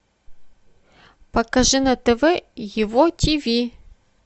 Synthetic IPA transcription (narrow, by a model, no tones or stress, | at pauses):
pɐkɐʐɨnɐt̪ɛvɛjɪvotʲʰivʲi